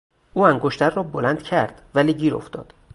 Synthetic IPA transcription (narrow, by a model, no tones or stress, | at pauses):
ʔuːæŋɡoʃt̪ʰæɾːɒːbolænd̪̥cʰæɾd̪̥væliːɟiːɾo̞̰ft̪ɒ̰ːd̪̥